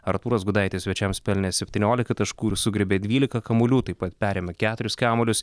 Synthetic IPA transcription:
ɐɾt̪uːɾɐsɡʊd̪ɐɪt̪ʲeːsʲʋʲɛt͡ʃʲɛmspʲɛlʲnʲɛsʲɛpʲt̪ʲiːnʲoːlʲɪkɐt̪ɐʃkuːsʊɡɾʲɪbʲeːd̪ʲʋʲiːlʲɪkɐkɐmʊlʲuːt̪ɐɪpɐt̪pʲæːɾʲeːmʲɛkʲæːt̪ʊɾʲʊskʲæːmolʲʊs

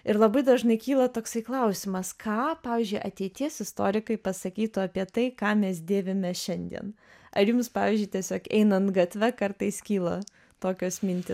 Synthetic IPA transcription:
ɪɾlˠɐbɐɪd̪ɐʒnɐɪkʲiːlˠɐt̪oːksɐɪklˠɐʊsʲɪmɐskʰɑːpɑːʋʲiːzʲd͡ʒʲʊɪʔɐt̪ʲɛɪt̪ʲiɛsɪst̪o̰ːɾʲɪkɐɪpɐsɐkʲiːt̪ʊɐpʲiɛt̪ɐɪkɑːmʲɛsd̪ʲeːʋʲɪmʲɛʃʲɛnʲd̪ʲḭɛn | ɐɾjumspɑːʋʲiːzʲd͡ʒʲʊɪt̪ʲiɛsʲoːkɛ̰ɪnɐnt̪ɡɐt̪ʲʋʲɛkɐrt̪ɐɪskʲiːlˠɐ | t̪oːkʲoːsmʲɪnʲt̪ʲɪ

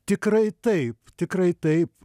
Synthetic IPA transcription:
t̪ʲɪkɾɐɪt̪ɐɪpt̪ʲɪkɾɐɪt̪ɐɪp

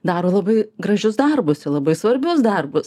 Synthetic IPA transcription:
d̪ɑːɾoːlˠɐbɐɪɡɾɐʒʲʊsd̪ɐrbʊsɪlˠɐbɐɪsʋɐɾʲbʲʊsd̪ɐrbʊs

